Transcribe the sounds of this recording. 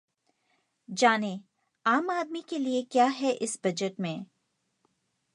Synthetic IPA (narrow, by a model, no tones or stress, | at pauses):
d͡ʒaːne | aːmaːd̪mikeliekjaːɦɛʔɪsbɐd͡ʒəʈmẽː